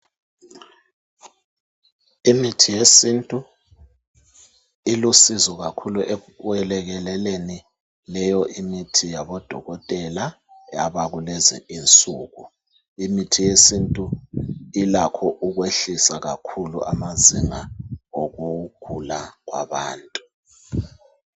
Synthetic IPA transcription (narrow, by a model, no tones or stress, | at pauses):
imitʰijesintʼu | ilusizɔɣakʰuluʔɛ | wɛlɛɣɛlɛleni | lɛjɔʔimitʰijaβɔd̥ʱɔ̰ɣɔtʼɛla | aβaɣulɛzɛ̰int͡sʼuːɣu | imitʰijesintʼuilakʰɔʔuɣweɬisaɣa̰kʰulṵʔa̰maziŋaoɣuɡ̥ʱulaɣwa̰βaːntʼu